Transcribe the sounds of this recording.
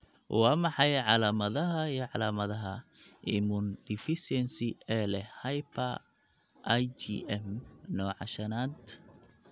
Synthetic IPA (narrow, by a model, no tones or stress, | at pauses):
wɑːmɑħɑjʕɑlaːmɐðɐɦɐijʕɑlaːmɐðɐɦɐʔɪmʊndɪfɪsɛnsiɛlɛhɐjpʰɐ | ʔjt͡ʃḭʔɛmnɔːʕɑ̰ʃɐnaːd̪